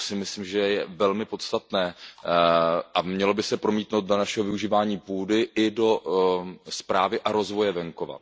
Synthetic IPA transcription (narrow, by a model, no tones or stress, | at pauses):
sɪmɪslimʒɛjɛvɛlmɪpo̞t̪st̪at̪nɛː | ʔamɲɛlo̞bɪsɛpɾomiːt̪nowt̪̚donaʃɛɦovɪuʒiːvaːɲiːpuːdɪʔɪdo̞ | spɾaːvɪʔaɾo̞zvo̞jɛvɛŋkova̰